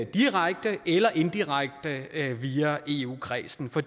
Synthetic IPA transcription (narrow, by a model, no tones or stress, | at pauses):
d̥iʁaɡ̥̚d̥əʔelɐʔe̝nd̥iʁaɡ̥̚d̥əʋiːæʔe̝ːṵːkʰʁɛ̰ːsn̩fɒ̽